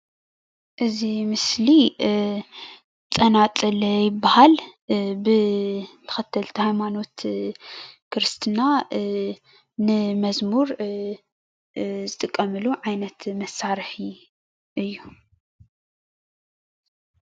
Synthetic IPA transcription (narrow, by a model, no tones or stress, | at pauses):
ʔɨzimɨsli | t̪ʼɐnat͡s̪ʼɨljɪbːahalbɨt̪ʰɐ̥xɐt̪ʰːɐlt̪ʰihajmano̞t̪ | kʰɨɾɨst̪ʰɨna | nɨmɐzmuɾ | zɨt̪ʼɨkʼːɐmɨluʕajnɐt̪mɐsaɾħi | ʔɨjːu